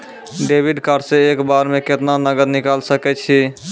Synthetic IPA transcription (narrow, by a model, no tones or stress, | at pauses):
ɖebiɖkəɾseekbaɾmeket̪nanəɡəd̪nikalsəkɛt͡ʃʰi